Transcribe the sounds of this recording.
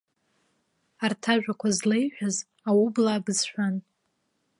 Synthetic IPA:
artʰaʒᶣʷakʷʰazlejħʷᶣaz | awublaːbɨzʃʷᶣan

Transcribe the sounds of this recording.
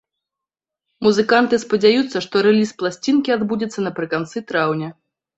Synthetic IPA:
muzɨkant̪ɨspɐd͡zʲajut̪sːɐʂt̪ɔɾɛlʲisplˠasʲt͡sʲinkʲiad̪bud͡zʲɛt̪sːɐnɐpɾɨkant̪sɨt̪ɾawnʲɐ

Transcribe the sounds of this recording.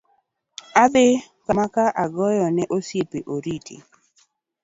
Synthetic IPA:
ad̪ɪ | kamakaʔaɡɔjɔnɛʔosjepeʔoɾitḭ

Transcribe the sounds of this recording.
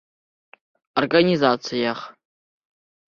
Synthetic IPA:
orɡanizat͡sʰijaχ

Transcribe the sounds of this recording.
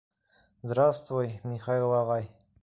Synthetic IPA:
zd̪ɾast̪vujmʲiχɑilˠɑʁɑj

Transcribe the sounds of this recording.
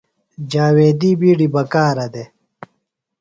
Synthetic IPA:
d͡ʑaːweːd̪ibiɽibɐkaːɾɐd̪e

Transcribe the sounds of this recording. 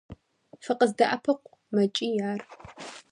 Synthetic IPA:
fɨqʼəzdɐʔɐpʰɐqʷʼ | mɐt͡ʃʼiːjaːr

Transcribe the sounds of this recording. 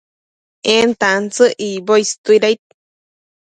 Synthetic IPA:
ent̪ant͡sɨʔiboist̪uiɾajt̪̚

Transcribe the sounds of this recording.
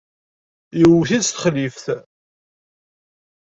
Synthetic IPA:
jəwθiðst̪ə̥χlifθ

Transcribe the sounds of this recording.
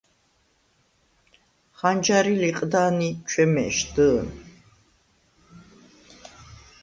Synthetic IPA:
χand͡ʒaɾiliqʼd̪aːnit͡ʃʰɛmɛ̰ʃd̪ə

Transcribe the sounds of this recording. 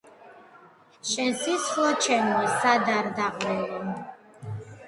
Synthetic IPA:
ʃɛsislɔt͡ʃʰɛmɛsad̪aɾd̪aqʼwɛlɔm

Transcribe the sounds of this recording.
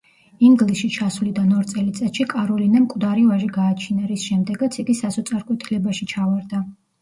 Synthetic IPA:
iŋɡlisʃit͡ʃʰasulid̪anɔɾt̪sʼɛlit̪sʼɛt̪ʃikʼaɾɔlinamkʼwd̪aɾivaʒiɡaːt͡ʃʰinaɾisʃɛmd̪ɛɡat̪sʰiɡisasɔt̪sʼaɾkʼwɛt̪ʰilɛbaʃit͡ʃʰavaɾd̪a

